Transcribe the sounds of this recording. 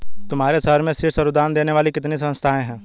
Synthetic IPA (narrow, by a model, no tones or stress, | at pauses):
t̪ʊmɦaːɾesəɾmẽsɪʈsɐɾʊd̪aːnd̪eːneʋaːlikɪt̪nis̬ɐ̃nst̪ʰaːẽɦɛ̃ː